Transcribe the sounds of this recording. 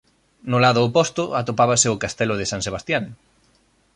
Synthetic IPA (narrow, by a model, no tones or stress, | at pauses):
nʊlaðʊːpɔst̪ʊʔat̪opaβaseʊkast̪ɛlʊð̞ɪsãŋseβ̞ast̪jaŋ